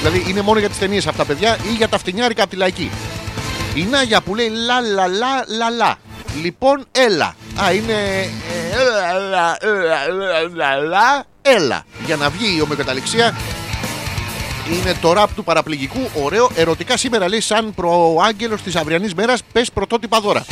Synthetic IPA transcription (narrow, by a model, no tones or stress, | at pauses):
ðilɐðiʔine̞mo̞noʝɐt̪i̥st̪e̞nie̞sɐft̪ɐpe̞ðʝɐʔiʝɐt̪ɐft̪iɲɐɾikɐpot̪ilɐicḭ | inɐʝɐpule̞ilɐlɐlɐlɐlɐ̰ | lipo̞ne̞lɐ̰ɐine̞ | lɐllɐlɐ | e̞lɐ̰ʝɐnɐvʝio̞meokɐt̪ɐliksiɐ | ine̞t̪o̞ɾɐːpo̞t̪upɐɾɐpliʝikuʔo̞ɾe̞o̞ʔe̞ɾo̞t̪ikɐsime̞ɾɐle̞isɐnpɾoɐɲɟe̞lost̪isɐvɾiɐnizme̞ɾɐspe̞spɾo̞t̪o̞t̪ipɐðo̞ɾɐ̰